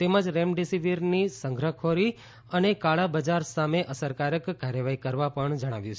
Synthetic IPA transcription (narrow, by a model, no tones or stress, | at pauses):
t̪emad͡ʒɾemɖisiʋiɾnisəŋɡʱɾəkʰoɾi | ənekaɭabəd͡ʒaɾsameʔəsəɾkaɾəkːaɾjəʋaɦikəɾʋapəɳd͡ʒəɽ̃a̰ʋjũt͡ʃʰ